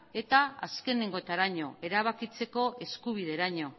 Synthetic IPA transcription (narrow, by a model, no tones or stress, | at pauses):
e̞t̪aa̰ske̞neŋɡo̞et̪aɾaɲo̞e̞ɾaβ̞akit͡se̞ko̞e̞skuβ̞iðe̞ɾaɲo̞